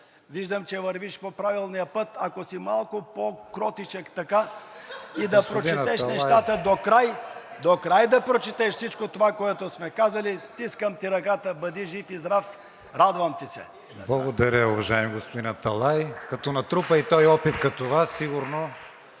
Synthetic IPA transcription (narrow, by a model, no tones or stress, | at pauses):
viʒd̪əmt͡ʃɛvɐɾviʃpopɾavilˠnijəpət̪ʰɐkosimalˠkopokɾɔt̪it͡ʃɐkt̪ɐka | id̪ɐpɾod̪t͡ʃɛɛʃnnɛʃt̪at̪əd̪okɾajd̪okɾajd̪ɐpɾot͡ʃit̪ɛʃfsit͡ʃkot̪ovakoɛt̪osmɛkazɐlist̪iskəmt̪iɾɐkat̪əbɐd̪iʒifizɾaf | ɾad̪vɐmt̪isɛ̰ | blˠɐɡod̪ɐɾʲəʊvɐʒaɛmiɡospod̪inɐt̪ɐlˠajkɐt̪ɔnɐt̪ɾupəit̪ɔjɔpit̪kɐt̪ovasːiɡʊɾno